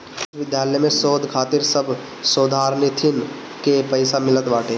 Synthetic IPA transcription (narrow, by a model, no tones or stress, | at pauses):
ɪsʋɪd̪jaːləjmẽsoːd̪ʱkʰaːt̪ɪɾsəbʱ | soːd̪ʱaːɾnɪt̪ʰɪn | kepəɪsamɪlət̪baːʈeː